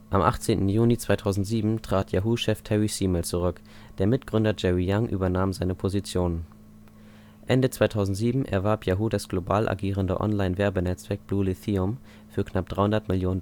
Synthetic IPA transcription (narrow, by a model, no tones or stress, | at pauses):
ʔamʔa̰χt͡seːntn̩juːlit͡sv̥aɪtʰaʊzn̩tz̥iːbm̩tʁ̥aːtʰjaɦuʃɛftʰɛʁisiːməlt͡suʁʏk | d̥eːɐmɪtɡ̥ʁʏndɐd͡ʒɛʁijaŋʔy̰ːbɐnaːmzaɪnəpʰozit͡sjoːnən | ʔɛndət͡sv̥aɪtʰaʊzn̩tz̥iːbm̩ʔɛ̰ɐvaɐpjaɦuːdasɡ̥lobaːlʔa̰ɡiːʁ̞əndə̰ʔɔ̰nlaɪnvɛɐbənɛt͡sv̥ɛɐk̚b̥luːliθiʊm | fyːɐkʰnap̚d̥ʁaɪhʊndɐtmɪljoːnən